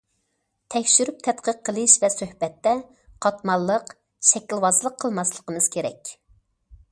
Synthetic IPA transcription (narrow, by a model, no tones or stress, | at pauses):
t̪ʰɛkʲʃyɾyp̚t̪ʰɛt̪qʰəqʰːəlˠɨʃvɛsøhbɛt̪ːɛ | qʰɑt̪mɑlˠːəq | ʃɛkʲilwɑzlˠəqʰːəlˠmɑslˠəqəmɨz̥kʲʰeɾɛ̰kʲ